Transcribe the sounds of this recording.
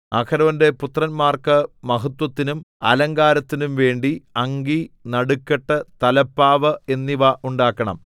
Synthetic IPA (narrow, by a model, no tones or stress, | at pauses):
ɐkʰɐɾɐʋɐnde̞put̪rɐnmaːrkɨmɐɦɐt̪wɐt̪ːinumɐ̰lɐŋɡaːɾɐt̪ːinumʋe̞ːɳɖiɐŋɡinɐɽukːeʈːɨt̪ɐlɐpːaːʋɐe̞nːiʋɐʔuɳɖaːkːɐɳɐ̰m